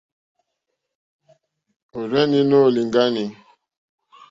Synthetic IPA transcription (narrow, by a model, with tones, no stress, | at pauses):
o˨ɾɛ˦ni˦no˦˨li˨ŋ˦ɡa˦ni˨